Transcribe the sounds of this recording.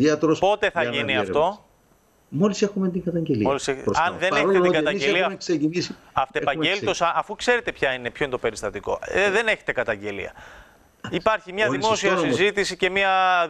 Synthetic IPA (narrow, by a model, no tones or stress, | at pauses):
iɐt̪ɾospo̞t̪e̞θɐʝiniɐft̪o̞ | molisexumet̪iŋɡɐt̪ɐɲɟelimoliseɐɐnðeneçet̪et̪ɡɐɐɟeliɐɐmeksecinisiɐft̪epɐɲɟelt̪osɐɐfukse̞ɾet̪e̞pçɐine̞pçoind̪ope̞ɾist̪ɐt̪iko̞̰ðe̞ne̞çet̪e̞kɐt̪ɐɲɟe̞lḭɐ̰ | ipɐɾçimɲɐðimo̞siɐɐsizit̪isice̞miɐ